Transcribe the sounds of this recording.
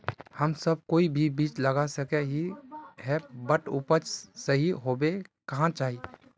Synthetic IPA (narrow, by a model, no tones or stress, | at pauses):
həmsəb̚koːibʱibiːt͡ʃləɡasəkeɦiɦɛbəʈupət͡ʃsəɦiɦobekɐɦãt͡ʃaːɦi